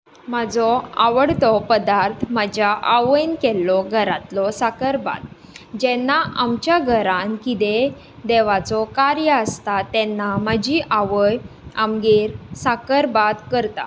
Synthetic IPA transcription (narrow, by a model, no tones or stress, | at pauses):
məd͡zɔa̰ʋəɽt̪ɔpəd̪aɾt̪ʰməd͡ʑjaʔaʋəjnkɛlːɔɡʱəɾat̪lɔsakəɾba̰t̪̚ | d͡ʑɛnːaʔamt͡ɕjaɡʱəɾãnkit̪e | d̪ɛʋat͡sɔkaɾjəəst̪at̪ɛnːaməd͡ʑiʔaʋəjamɡeɾsakəɾbat̪kəɾt̪a̰